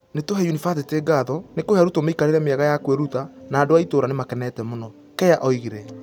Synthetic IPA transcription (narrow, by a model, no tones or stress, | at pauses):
netoɦɛjunifaθeteɡaðɔnekohjaɾutomeikaɾeɾɛmeaɣajakweɾutanaːdoaitoɾanemakɛnɛːtɛmonɔ | kɛjaʔɔiɣeɾɛ